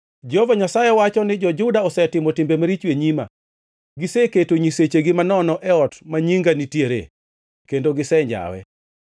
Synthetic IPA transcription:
d͡ʒɔvaɲasajewat͡ʃɔnɪd͡ʒɔd͡ʒʊdaɔsɛtɪmɔtɪmbemaɾit͡ʃweɲima̰ | ɡɪseketoɲiset͡ʃeɡɪmanɔnɔʔɛɔtmaɲiŋɡanitjeɾḛ | kendoɡɪsɛɲd͡ʒa̰wɛ̰

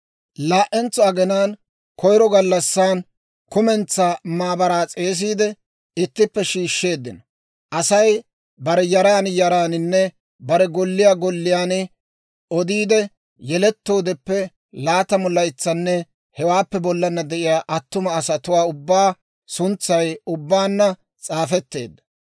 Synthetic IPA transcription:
laːʔɛnt͡sːɔɐɡɛnaːn | kɔjɾɔɡɐlːɐsːaːn | kʊmɛnt͡sːaːmaːbɐɾaːt͡sʼe̞ːs̬iːd̪ɛ | ɪt̪ːɪpːɛʃiːʃːe̞ːd̪ːɪnɐ | ʔɐsɐj | bɐɾɛjɐɾaːnjɐɾaːnɪnːɛ | bɐɾɛɡɔlːɪjaɡɔlːɪjaːn | ɔd̪iːd̪ɛ | jɛlɛt̪ːo̞ːd̪ɛpːɛ | laːt̪ɐmɔlːɐɪt͡sːɐnːɛ | hɛwaːpːɛbɔlːɐnːɐd̪ɛʔɪjaːʔɐt̪ːʊmɐːsɐt̪ʊwaːʊbːaː | sʊnt͡sːɐjʊbːaːnːɐ | t͡sʼaːfɛt̪ːe̞̰ːd̪ːɐ̥

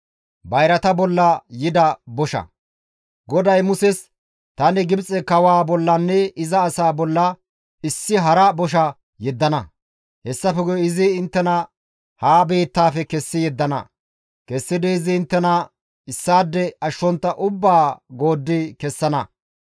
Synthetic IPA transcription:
bɐjɾɐt̪ɐbɔlːɐjɪd̪ɐbɔʃɐ̰ | ɡɔd̪ɐjmʊsɛs | t̪ɐnɪɡɪbt͡sʼɛkɐwaːbɔlːɐnːɛɪzɐːsaːbɔlːɐ | ɪsːɪɦɐɾɐbɔʃ̬ɐ | jɛd̪ːɐnɐ | hɛsːɐfɛɡɔjɪzɪːnt̪ːɛnɐ | haːbe̞ːt̪ːaːfɛkɛsːɪjɛd̪ːɐnɐ̰ | kɛsːɪd̪eːzɪɪnt̪ːɛnɐ | ɪsːaːd̪ːɛɐʃːɔnt̪ːɐʔʊbːaːɡo̞ːd̪ːɪkɛsːɐnɐ

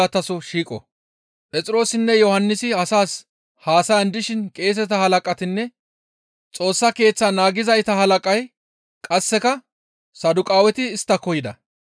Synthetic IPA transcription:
at̪ɐsɔʃiːkʼɔ̰ | pʼɛt͡sʼɪɾo̞ːsɪnːɛjɔhɐnːɪsɪɐsaːs | haːsɐjɐnd̪ɪʃɪnkʼe̞ːs̬ɛt̪ɐhɐlɐkʼɐt̪ɪnːɛ | t͡sʼo̞ːsːɐke̞ːt͡sːanaːɡɪzɐjt̪ɐɦɐlɐkʼɐj | kʼɐsːɛkɐ | sɐd̪ʊkʼaːwɛt̪ɪːst̪ːɐkɔjɪd̪ɐ̰

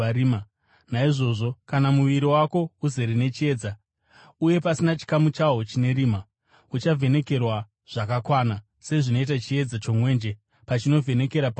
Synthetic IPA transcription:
ɾima | naiʐo̞ʐo̞kanamuʋiɾiwako̞uze̞ɾene̞t͡ʃie̞ːd͡za | uje̞pasinat͡ʃi̥kamut͡ʃaɦot͡ʃine̞ɾiːma | ut͡ʃavʱe̞ne̞ke̞rwa | ʐ̥akakwana | se̞ʐino̞it̬at͡ʃie̞d͡zat͡ʃo̞mwe̞ːnd͡ʒe | pat͡ʃino̞vʱe̞ne̞ke̞ɾap

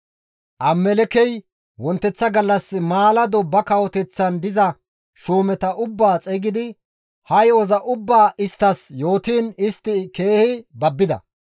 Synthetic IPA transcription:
ʔɐmːɛlɛkɛj | wɔnt̪ːɛt͡sːɐɡɐlːɐsːɪmaːlɐd̪ɔbɐkɐwɔt̪ɛt͡sːɐnd̪ɪzɐ | ʃuːmɛt̪ɐʔʊbːaːt͡sʼɛɡɪd̪ɪ | hɐjɔzɐʔʊbːaːɪst̪ːɐsjo̞ːt̪iːnɪst̪ːɪke̞ːhɪbɐbːɪd̪ɐ̰

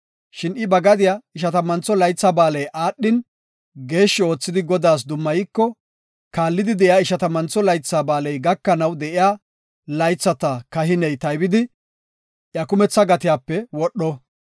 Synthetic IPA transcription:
ʃɪnɪbɐɡɐd̪ɪjaɪʃɐt̪ɐmɐnt͡sːɔlɐjt͡sːabaːlɛjʔaːɗːɪn | ɡe̞ːʃːɪo̞ːt͡sːɪd̪ɪɡɔd̪aːs̬d̪ʊmːɐjɪkːɔ | kaːlːɪd̪ɪd̪ɛʔɪjaːɪʃɐt̪ɐmɐnt͡sːɔlɐjt͡sːabaːlɛjɡɐkːɐnɐwd̪ɛʔɪjaː | lɐjt͡sːɐt̪ɐkɐɦɪnɛjt̪ɐjbɪd̪ɪ | ʔjɐkʊmɛt͡sːɐɡɐt̪ɪjaːpːɛwɔɗːɔ

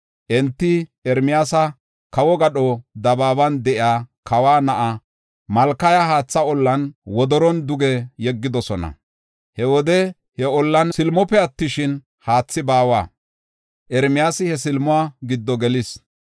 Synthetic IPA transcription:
ʔɛnt̪ːɪɛɾmɪjaːsɐ | kɐwɔɡɐɗɔd̪ɐbaːbɐnd̪ɛʔɪaːkʰɐwaːnɐʔa | mɐlkɐjɐɦaːt͡sːɐɔlːɐnwɔd̪ɔɾɔnd̪ʊɡɛjɛɡːɪd̪ɔsɔnɐ̰ | hɛwɔd̪ɛ | hɛɔlːɐnsɪlmɔpːɛɐt̪ːɪʃɪn | haːt͡sːɪbaːwa̰ː | ʔɛɾmɪjaːsɪhɛsɪlmʊaːɡɪd̪ːɔɡɛlɪs

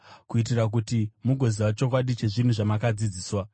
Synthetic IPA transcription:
kuit̬irak̬utimuɡʱo̞ziwat͡ʃo̞kwaɗit͡ʃe̞ʐin̤uʐamakad͡zid͡ziːswa

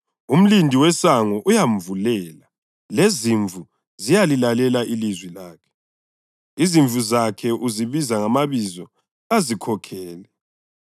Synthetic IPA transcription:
um̩lindʱiwɛsaŋɔʔujaɱ̩vulɛːla | leziɱvʱu | zijalilalɛlaʔilizwilaːkʰɛ̥ | iziɱvʱuzakʰɛʔuziβizaŋamaβizɔ | azikʰɔkʰɛːlɛ

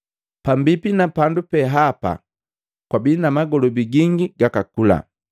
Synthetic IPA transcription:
pambipinapandupɛɦapa̰ | kwabinamaɡɔlɔbiɡiŋɡiɡakakula̰

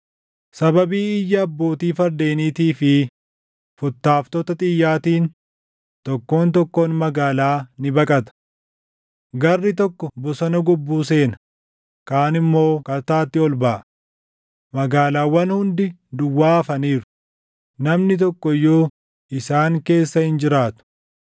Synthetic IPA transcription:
sɐbɐbiːɪjːɐːbːo̞ːt̪iːfɐɾd̪e̞ːniːt̪iːfɪ | fʊt̪ːaːft̪ɔt̪ɐt̪ʼɪjːaːt̪iːn | t̪ɔkːo̞ːnt̪ɔkːoːnmɐɡaːlaːnɪbɐkʼɐt̪ɐ̥ | ɡɐrːɪt̪̬ɔkːɔbɔsɐnɐɡʊbːuːse̞ːnɐ̥ | kaːnɪmːo̞ːkɐt̪aːt̪ːɪɔlbɐʔɐ | mɐɡaːlaːwɐnhʊnd̪ɪd̪ʊwːaːɐfɐniːɾʊ | nɐmnɪt̪ɔkːɔjːoː | ʔɪsaːŋke̞ːsːɐhɪnd͡ʒɪɾaːt̪ʊ̥

